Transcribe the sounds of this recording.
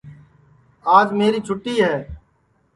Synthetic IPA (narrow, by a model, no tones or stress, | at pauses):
aːd͡ʒmeːɾiːt͡ʃʰʊʈːiːɦɛː